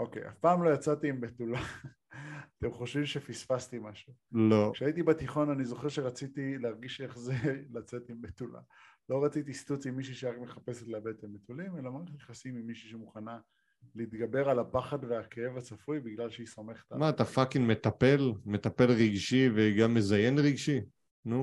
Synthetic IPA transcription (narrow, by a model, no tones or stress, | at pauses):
ʔo̞kḛjʔa̰fpaːmlo̞jat͡sat̪iːmbet̪ula | at̪e̞mχo̞ʃvimʃefisfast̪imaʃulokʃeait̪ibat̪iχo̞nanizo̞χe̞ʁʃe̞ʁat͡sit̪ileaʁɡiʃe̞χze̞lat͡se̞t̪imbet̪ula̰lo̞ʁat͡sit̪ist̪ut͡simːiʃ̬uʃeʁakme̞χape̞set̪labet̪emet̪ulime̞lamaʁeχt̪jeχasimimiʃiʃemuχana | liiːt̪ɡabe̞ʁalapaχadveakee̞vat͡safujbiɡlalʃeisome̞χe̥t̪amaːt̪afakinme̞t̪ape̞lme̞t̪ape̞lʁiɡʃiveɡamːezaje̞nʁiɡʃi | nu